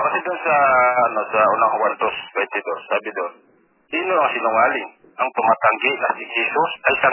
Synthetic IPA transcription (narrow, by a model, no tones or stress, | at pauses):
kɐsɪd̪ʊnsɐːnosɐʔʊnaŋwand̪osbɛnt̪ɪd̪osːaːbɪd̪on | siːnoɐŋsinʊŋaːlɪŋ | ʔɐŋt̪ʊmaːt̪aŋɡɪʔnɐsɪisosɐjsa